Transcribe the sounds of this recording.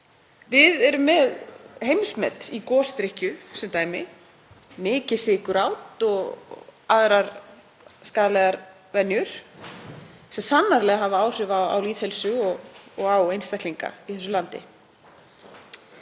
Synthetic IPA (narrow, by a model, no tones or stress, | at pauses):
vɪðɛɾʏmːɛðhejmsmɛt̪ikɔːst̪ɾɪhcʏsɛmt̪aːjmɪ | mɪːcɪsɪkʏɾawt̪ɔɣaðɾaɾ | skaːðalɛɣaɾ | vɛnjʏɾ̥ | sɛmsanːaɾlɛɣaɦavaaːwr̥ɪvaa̰wliːðhɛlsʏɔɣɔɣawejnst̪ɛhk̪liŋka̰iθɛsʏlant̪ɪ̰